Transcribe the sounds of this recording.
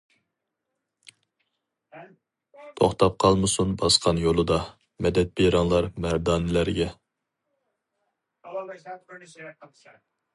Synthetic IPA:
t̪ʰoχt̪ʰɑp̚qʰɑlˠmɨsunbɑsqʰɑnjolˠɨd̪ɑ | mɛd̪ɛt̪̚beɾɑŋlˠɑɾmæɾd̪ɑːnɪlæɾɡʲɛ

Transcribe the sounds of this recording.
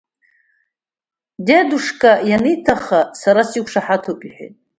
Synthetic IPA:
deduʂkʼajanɨjtʰaχasaɾasikʷʰʂaħatʰopʼiħʷᶣḛtʼ

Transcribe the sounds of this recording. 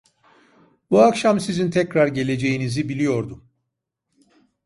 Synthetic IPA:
buakʃamsizint̪ʰɛcɾaɾɟe̞lʲe̞d͡ʒe̞jinizibilʲijo̞ɾd̪um

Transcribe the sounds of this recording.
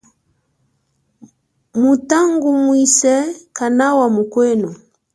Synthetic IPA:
mutaŋɡumwisɛkanawamukwɛnɔ

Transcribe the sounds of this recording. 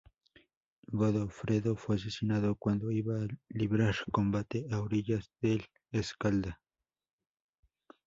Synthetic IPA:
βaðofɾeðofwes̬esinaðokwand̪oiβaliβɾaɾkombat̪eʔawɾiʎasd̪el | eskald̪a

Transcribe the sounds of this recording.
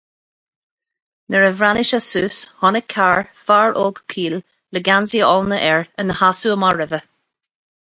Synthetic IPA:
nəɹəvɹanɪʃasuːshɔnəkʰːaɹfaɹʔoːɡkʰiːl | ləɡanziɔlnəʔɛɹənəhasuəmaɹɛvə

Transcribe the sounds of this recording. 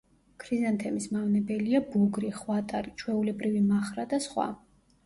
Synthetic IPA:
kʰɾizant̪ʰɛmismavnɛbɛliabuɡɾiχwat̪ʼaɾit͡ʃʰwɛulɛbɾivimaχɾad̪asχwa̰

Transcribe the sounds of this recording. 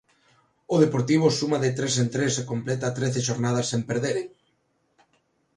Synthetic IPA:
ʊðepoɾt̪iβ̞ʊsumaðɪt̪ɾesent̪ɾesekomplɛt̪at̪ɾeθeʃoɾnað̞ɐsːempeɾðeɾeŋ

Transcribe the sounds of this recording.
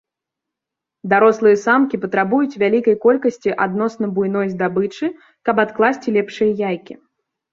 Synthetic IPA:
d̪aɾɔslˠɨjɐsamkʲipɐt̪ɾabujut͡sʲvʲalʲikɐjkɔlʲkɐsʲt͡sʲiʔad̪nɔsnɐbujn̪ɔjzd̪abɨt͡ʂɨ | kɐpat̪klˠasʲt͡sʲilʲɛpʂɨjɐjajkʲi

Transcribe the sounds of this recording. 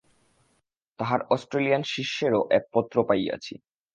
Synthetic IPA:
t̪aɦaɾɔsʈɾelijanʃiʃːeɾoʔɛk̚pɔt̪ːɾopaja̰t͡ɕʰḭ

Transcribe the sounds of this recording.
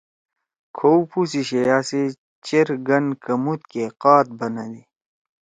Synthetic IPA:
kʰowpusiɕejaːse | t͡ɕeɾɡɐnkɐmut̪̚keqaːt̪̚bɐnɐd̪i

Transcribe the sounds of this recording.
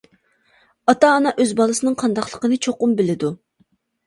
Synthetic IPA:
ɑt̪ɑːnɑʔøzbɑlˠɨsɨnɨŋqʰɑnd̪ɑqlˠəqənɨt͡ʃʰoqʊmbɪlɪd̪u

